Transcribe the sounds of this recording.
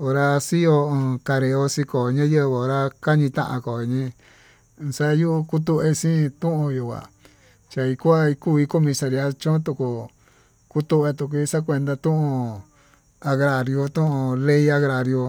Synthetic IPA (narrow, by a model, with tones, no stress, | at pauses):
o˧ɾa˧si˦jõ˧ka˧ɾe˧o˧si˧ko˨ɲã˦jə˦βe˧˨o˧ɾa˧ka˦ɲĩ˧t̪ã̰˦ʔã̰˧ko˨˧ɲĩ˧ | sa˦ju˦˧ku˦t̪̬u˧ʔe˧sĩ˦˧t̪ũ˦ʔõ˧ju˨kʷa̰˨ | t͡ʃa˧i˧kʷa˦i˧ku˦˨i˧˦ko˦mĩ˧sa˧ɾi˧a˧t͡ʃõ˦t̪u˧ku˨ | ku˦t̪u˦ʔe˧t̪u˧k̬ʷi˧˦sa˦kʷe˧nd̪a˧t̪ũ˦ʔõ˧ | a˧ɣɾa˨ɾjo˧t̪ũ˦ʔõ˧le˦i˦a˧ɣɾa˨ɾjo˧